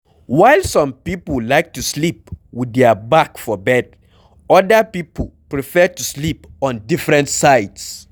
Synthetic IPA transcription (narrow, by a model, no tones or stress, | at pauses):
waɪlsɔ̃mpipl̩laɪk̚tuslipwiðɛəbakfɔbɛd | ɔdəpipəl̩ˠpɹifɛtuslipɔ̃ndifɹɛ̃ntsaɪds